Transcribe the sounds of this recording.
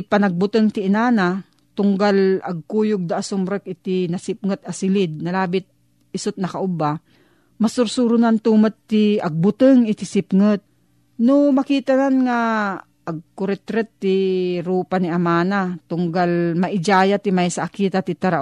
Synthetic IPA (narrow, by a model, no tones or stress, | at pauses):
pɐnɐɡ̚bʊt̪əŋt̪ɪʔɪnaːna | t̪ʊŋɡalɐɡ̚kuːjʊɡ̚d̪aʔasʊmɾɛk̚ʔɪt̪ɪnɐsɪp̚ŋət̪̚ɐsɪlɪd̪̚nɐlaːbɪt̪̚ | ɪsʊt̪̚nɐkaʔʊba | mɐsʊɾsuɾʊnant̪uːmat̪̚t̪ːɪɐɡ̚bʊt̪əŋɪt̪ɪsɪpŋət̪̚ | nomɐkiːt̪ananŋa | ʔɐɡ̚kʊɾɛt̪ɾɛt̪ːɪɾuːpanɪʔɐmaːnat̪ʊŋɡalmɐʔɪd͡ʒaːjat̪ɪmajsaʔːkiːt̪at̪ɪt̪aɾaʔ